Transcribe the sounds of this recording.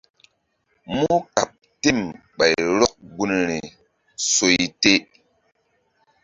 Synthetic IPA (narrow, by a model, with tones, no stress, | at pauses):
mu˦ka˨p̚ | te˦˨m | ɓa˨jɾɔ˦k̚ɡu˦nɾi˨ | so˨jte˦